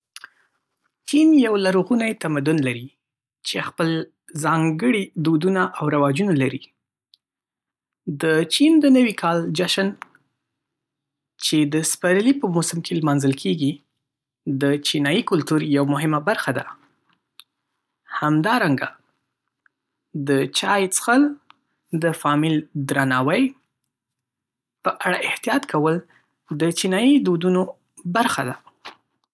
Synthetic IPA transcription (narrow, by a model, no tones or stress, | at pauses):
t͡ʃinjawlaɾuɣunajt̪amad̪ʊnlaɾi | t͡ʃexpəl | zɑŋɡəɽid̪od̪unaʔawɾawɑd͡ʒunalaɾi | d̪ət͡ʃind̪ənəwikʰɑld͡ʒaʃan | t͡ʃed̪əspaɾlipəmʊsəmkʰelmɑnzəlkʰeɡi | d̪ət͡ʃinɑjikʊlt̪uɾjawmʊɦɪmabaɾxad̪a̰ | hamd̪ɑɾaŋɡa | d̪ət͡ʃɑjt͡sxəl | d̪əfɑmɪld̪ɾanɑwaj | pəʔaɽaʔɪht̪ijɑt̪kʰawəl | d̪ət͡ʃinɑjid̪ud̪uno | baɾxad̪a